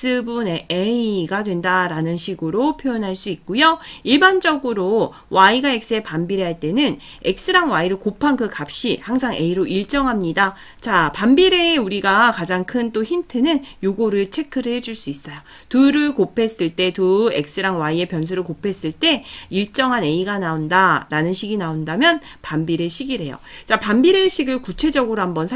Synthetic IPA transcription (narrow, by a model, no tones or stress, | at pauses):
s͈ɯbuneeiɡadwe̞ndaɾanɯnɕʰiɡɯɾopʰjojonɦaɭs͈uik̚k͈ojoiɭband͡ʑʌɡɯɾo | waiɡaek̚s͈ɯepambiɾeɦaɭt͈e̞nɯn | e̞k̚s͈ɯɾaŋwaiɾɯɭkopʰankɯkap̚ɕ͈ihaŋsʰaŋʔe̞iɾoiɭt͡ɕ͈ʌŋɦamɲida | t͡ɕapambiɾe̞ːuɾiɡakad͡ʑaŋkʰɯnt͈oçintʰɯnɯnjoɡoɾɯɭt͡ɕʰe̞kʰɯɾɯɦe̞d͡ʑuɭs͈uis͈ʌjo | tuɾɯɭkopʰe̞s͈ɯɭt͈e̞tue̞k̚s͈ɯɾaŋwaie̞pjʌns̬ʰuɾɯɭkopʰe̞s͈ɯɭt͈e̞iɭt͡ɕ͈ʌŋɦane̞iɡanaondaɾanɯnɕʰiɡinaondamjʌn | pambiɾeɕʰiɡiɾe̞jo̰t͡ɕapambiɾe̞ɕʰiɡɯɭkut͡ɕʰe̞d͡ʑʌɡɯɾoɦambʌnsʰ